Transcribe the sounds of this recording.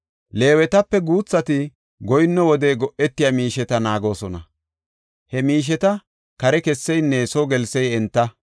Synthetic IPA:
le̞ːwɛt̪ɐpːɛɡuːt͡sːɐt̪ɪ | ɡɔjnːɔwɔd̪eːɡɔʔɛt̪ːɪjamiːʃɛt̪ɐnaːɡo̞ːsɔnɐ | hɛmiːʃ̬ɛt̪ɐ | kɐɾɛkɛsːɛjne̞ːsɔːɡɛlsɛjɛnt̪ːɐ

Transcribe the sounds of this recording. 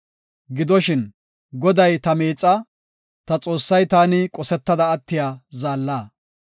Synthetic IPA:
ɡɪd̪ɔʃɪn | ɡɔd̪ɐjt̪ɐmeːt͡sʼːɐ | t̪ɐt͡sʼo̞ːsːɐjt̪aːnɪkʼɔsɛt̪ːɐd̪ɐːt̪ːɪjaːzaːlːaː

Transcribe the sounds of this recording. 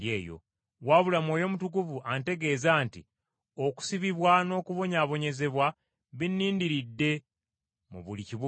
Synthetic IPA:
ḛːjo̰ | waːβulamwo̞ːjo̞mutuk̬uvuʔante̞ɡe̞ːzaːnti | o̞ku̥siβiβwano̞ːkuβo̞ɲaβo̞ɲe̞ze̞βwa | βinːiːndiɾidːe̞ | mṵβuliciβu

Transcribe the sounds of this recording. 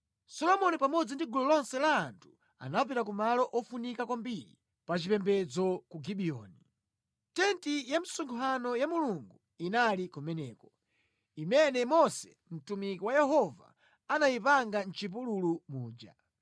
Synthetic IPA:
sɔlɔmɔnipamɔd͡zindiɡulɔlɔnsɛlaːntʰu̥ | a̰napiɾak̬umalɔʔɔfunikakwambiɾḭ | pat͡ʃipɛmbɛd͡zɔkuɡiɓiɔ̰ːni | tɛntijamisuŋɡuɦanɔjamuluŋɡu | inalikumɛnɛːkɔ | imɛnɛmɔsɛ̥̰ | m̩tumikɔwajɛɦɔva̰ | anajipaŋɡan̩t͡ʃip̬ululumuːd͡ʒa̰

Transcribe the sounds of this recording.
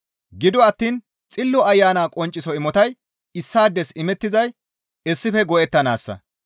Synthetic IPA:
ɡɪd̪ɔɐt̪ːiːn | t͡sʼɪlːɔɐjːaːnaːkʼɔnt͡ʃʼːɪsɔɪmɔt̪ɐj | ɪsːaːd̪ːɛsɪmɛt̪ːɪzɐj | ɛsːɪfɛɡɔʔɛt̪ːɐnaːsːɐ̰

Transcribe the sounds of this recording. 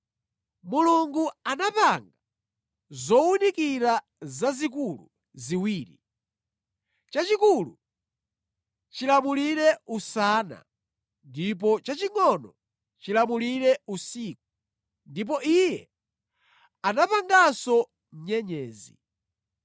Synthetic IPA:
muluŋɡuanapaŋɡa | zɔwunikiɾa | zazikulṵ | ziwiːɾḭ | t͡ʃat͡ʃikulṵ | t͡ʃilamuliɾɛusaːna̰ | ndip̬ɔt͡ʃat͡ʃiŋɔnɔ | t͡ʃilamuliɾɛusiːk̚u | ndip̬ɔʔijɛ | anapaŋɡasɔ | m̩ɲɛɲɛːzḭ

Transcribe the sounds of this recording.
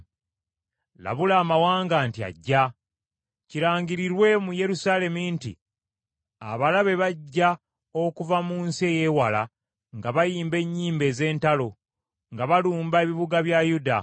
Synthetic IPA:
la̰βulaːmawaːŋɡantia̰ɟːa | ciɾaːɲɟiɾiɾwe̞muje̞ɾusaːle̞mintḭ | a̰βalaβe̞βaɟːa | o̞kuvamuːnsie̞ːje̞wala̰ | ŋɡaβajiːmbe̞ɲːiːmbe̞ːze̞ːntalo̞ | ŋɡaβaluːmbaeβiβuɡaβjajuda̰

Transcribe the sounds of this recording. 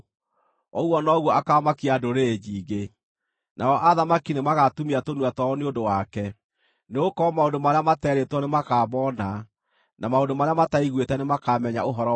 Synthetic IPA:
ɔɣuɔnɔɣwɔʔakamakiadoɾeːd͡ʑiːɣe | nʔaɔʔaðamakinemaɣatumiatonwatɔneodowakɛ | neokɔɔmaondomaɾeamatɛːɾetwɔnemakaːβɔna | namaondomaɾeamataiɣwetɛnemakamɛɲaoɦɔɾɔ

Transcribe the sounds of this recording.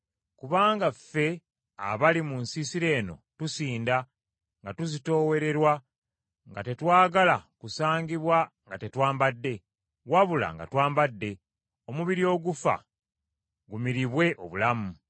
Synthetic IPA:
kuβaːŋɡafe̞ | a̰βalimunsisiɾe̞ːno̞̰tusiːnda | ŋɡatuzito̞ːwe̞ɾe̞ɾwa | ŋɡate̞twaːɡalakusaːŋɡiβwaŋɡate̞twaːmbadːe̞ | waβula̰ŋɡa̰twaːmbadːe̞ | o̞muβiɾio̞ːɡufa̰ | ɡumiɾiβwe̞ʔo̞βulamu

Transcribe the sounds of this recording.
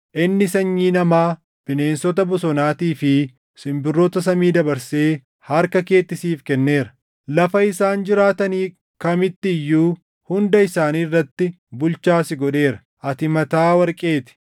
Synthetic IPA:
ʔɪnːɪsɐɲːiːnɐmaː | b̥ɪne̞ːnsɔt̪̬ɐbʊsɔnaːt̪iːfɪ | sɪmbɪrːoːt̪ɐs̬ɐmiːd̪ɐbɐɾseː | hɐɾkɐke̞ːt̪ːɪsiːfkɛnːe̞ːɾɐ̥ | lɐfɐɪsaːnd͡ʒɪɾaːt̪ɐniː | kɐmɪt̪ːɪɪjːuː | hʊnd̪ɐɪsaːniːrːɐt̪ːɪ | bʊlt͡ʃaːsɪɡɔᶑe̞ːɾɐ̥ | ʔɐt̪ɪmɐt̪aːwɐɾkʼe̞ːt̪ɪ̥

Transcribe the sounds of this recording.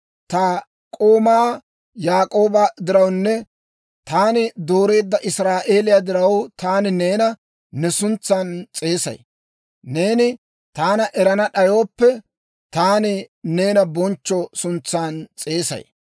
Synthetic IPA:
t̪ɐ | kʼoːmaː | jaːkʼo̞ːbad̪ɪɾɐwnːɛ | t̪aːnɪd̪o̞ːɾe̞ːd̪ːɐʔɪsɾaːʔe̞ːlɪjad̪ɪɾɐwt̪aːnɪne̞ːnɐː | ɛsʊnt͡sːaːnt͡sʼe̞ːsɐ̰j | neːnɪ | t̪aːnɐʔɛɾɐnɐɗɐjo̞ːpːɛ | t̪aːnɪne̞ːnɐbɔnt͡ʃːɔsʊnt͡sːaːnt͡sʼe̞ːsɐ̰j

